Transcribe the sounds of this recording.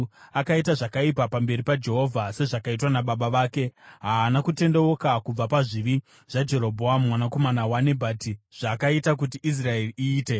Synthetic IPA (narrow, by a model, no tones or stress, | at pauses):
akaitaʐakaipapambe̞ɾipad͡ʒe̞ɦo̞vʱase̞ʐakait̬wanaɓaɓaʋaːke̞ɦaːnakute̞ndeokakub͡vapaʐiʋi | ʐ̥ad͡ʒe̞ɾo̞bʱo̞ammwanako̞manawane̞bʱaːtiʐ̥akaitak̬utiʔis̬rae̞riʔiːte̞